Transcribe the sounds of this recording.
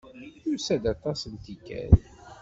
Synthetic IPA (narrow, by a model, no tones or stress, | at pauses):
usæd̪ɑt̪ˤɑsənt̪ikæ̰l